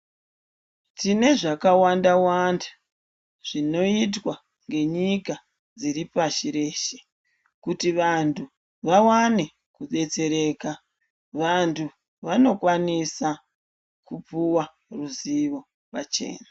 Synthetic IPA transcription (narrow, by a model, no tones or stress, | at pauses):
tine̞ʐakawandawandḁ | ʐ̥ino̞it̬wa | ŋɡe̞ɲika | d͡ziɾipaʃiɾe̞ːʃe̥ | kutiʋantʰu | ʋawane̞ | kuɗe̞t͡se̞ɾe̞ːka | ʋantʰu | ʋano̞kwanisa | kupuwa | ruziʋo̞ | pat͡ʃe̞̰ːna